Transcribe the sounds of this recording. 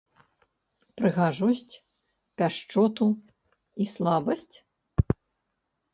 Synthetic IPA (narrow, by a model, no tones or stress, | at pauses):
pɾɨɣaʐɔsʲt͡sʲ | pʲaʂt͡ʂɔt̪u | islˠabɐsʲt͡sʲ